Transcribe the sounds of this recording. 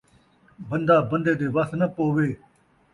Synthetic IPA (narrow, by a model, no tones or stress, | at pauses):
bənd̪aːbənd̪eːd̪eːʋɐsnɐpoːʋeː